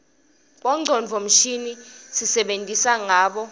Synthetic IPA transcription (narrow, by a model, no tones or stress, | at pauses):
ɓɔŋ͡ǀʱɔnvʱom̩ʃinisisɛɓentʼisaŋaːɓɔ